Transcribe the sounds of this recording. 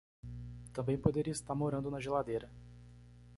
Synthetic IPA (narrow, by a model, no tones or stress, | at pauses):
t̪ɐ̃mbẽj̃pod̪eɾiɐist̪aɾmoɾɐ̃d̪ʊnɐʒelad̪ejɾɐ